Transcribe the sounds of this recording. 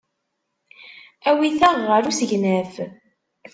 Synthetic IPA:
æwiθæʁːəɾusəʝnæf

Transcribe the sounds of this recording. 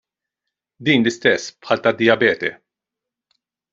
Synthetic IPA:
d̪iːnlɪst̪ɛsːpħɐːlt̪ɐd̪ːɪjɐbɛːt̪ɛ̰

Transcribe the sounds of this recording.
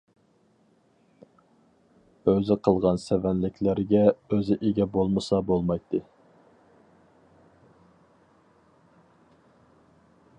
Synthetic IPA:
øzɪqʰəlˠʁɑnsɛvɛnlɪkʲlɪɾɡʲɛøzɪʔeɡʲɛbolˠmɨsɑbolˠmɑjt̪ʰːɨ

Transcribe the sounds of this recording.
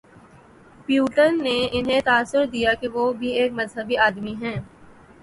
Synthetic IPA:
pjuːʈəɾːeɪnɦẽt̪aːsːʊɾd̪ijakeʋobʱieːk̚mɐzɦəbiaːd̪miɦɛ̃ː

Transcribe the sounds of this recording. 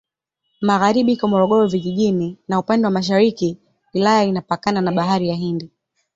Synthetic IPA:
maɣaɾiɓihikɔmɔɾɔɠɔɾɔviʄiɠininaupandɛwamaʃ̬aɾiki | wilajainapakananaɓaɦaɾijaɦindi

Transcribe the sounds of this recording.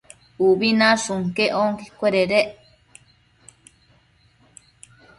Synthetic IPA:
ubinasuŋkeʔoŋkikʷeɾeɾeʔ

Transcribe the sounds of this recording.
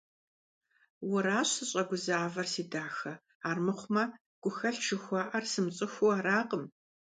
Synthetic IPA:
wʊɾaːɕɨɕʼɐɡʷʊzaːvɐrsiːdaːxɐ | aːrmɨχʷʊmɐ | ɡ̥ʷʊxɐɬʈ͡ʂʰɨxʷɑːʔɐrsɨmɕʼɪxʷuaːɾaːqʼəm

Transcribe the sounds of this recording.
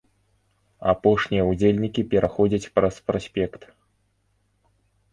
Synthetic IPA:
a̰pɔʂnʲijɐud͡zʲelʲnʲikʲipʲɛɾʔaxɔd͡zʲɐt͡sʲpɾɐspɾɔsʲpʲɛkt̪

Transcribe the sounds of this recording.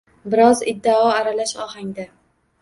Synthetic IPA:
bɪɾɒzɪ̰d̪ːaɒaɾalaʃɒɦaŋd̪a

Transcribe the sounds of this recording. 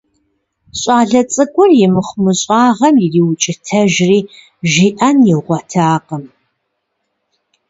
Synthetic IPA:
ɕʼɑːɮɐt͡sʼɨɡʷʼʊrjɪmɨχʷmɨɕʼɑːʁɐmjɪriːwʊt͡ʃʼɪtʰɐʒriː | ʒiːʔɐnjɪʁʷɔtʰaːqəm

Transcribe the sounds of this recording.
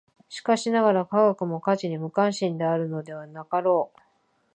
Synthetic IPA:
ɕi̥kaɕinaɡaɾakaɡakɯ̟mo̞kat͡ɕiɲ̟imɯ̟kãɰ̃ɕĩnd̪e̞aɾɯ̟no̞d̪e̞β̞anakaɾo̞ː

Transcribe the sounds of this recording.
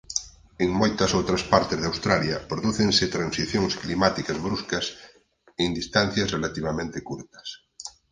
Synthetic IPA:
eŋmojt̪asowt̪ɾaspaɾt̪ezðawst̪ɾaljapɾoðuθẽŋset̪ɾãnsiθjoŋsklimat̪ikazβɾuskas | end̪ist̪an̟θjazrelat̪iβ̞amẽnt̪ekuɾt̪ɐ̥s

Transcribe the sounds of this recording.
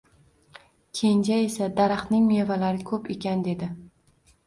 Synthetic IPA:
kʲʰend͡ʒaesad̪aɾaχnɪŋmevalaɾɪkʲʰɵpe̞kʲand̪e̞d̪ɪ

